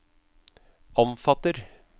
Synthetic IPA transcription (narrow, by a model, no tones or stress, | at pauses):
ɔmfɑt̪əɾ